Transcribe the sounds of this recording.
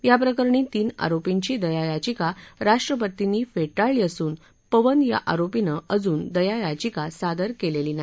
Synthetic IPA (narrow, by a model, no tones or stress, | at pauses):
ʋjapɾəkəɾɳit̪iːna̰ɾopiɲt͡ɕid̪əjajad͡ʑikaɾaʂʈɾəp̬ət̪ːiniːfeʈaɭijəsuːn | pəʋənja̰ʔaɾopinəəd͡zuːnd̪əjajad͡ʑikasad̪əɾkeleliːna